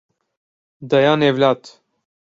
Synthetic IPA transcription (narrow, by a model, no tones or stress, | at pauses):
d̪ɐjaːnevlaːt̪